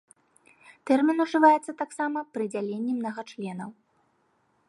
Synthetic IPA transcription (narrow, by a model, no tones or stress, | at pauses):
t̪ɛrmʲinuʐɨvajɛt̪sːɐt̪aksamɐpɾɨd͡zʲalʲenʲːimnɐɣat͡ʂlʲɛnɐw